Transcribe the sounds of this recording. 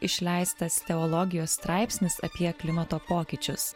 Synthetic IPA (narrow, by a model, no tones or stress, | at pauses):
ɪʃʲlʲɛɪst̪ɐst̪ʲɛɔlˠɔɡʲɪjoːsst̪ɾɑˑɪpʲsʲnʲɪsɐ̰pʲiɛklʲɪmɐt̪oːpoːkʲɪt͡ʃʲʊs